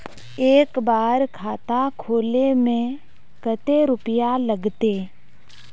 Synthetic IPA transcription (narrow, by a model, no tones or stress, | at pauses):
eːkbaːɾkʰaːt̪akʰoːlemẽ | kət̪eɾʊpɪjaləɡt̪eː